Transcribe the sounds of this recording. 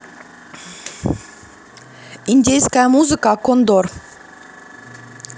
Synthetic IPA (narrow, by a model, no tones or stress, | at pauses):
inʲd̪ʲejskamuzɨkɑkond̪oɾ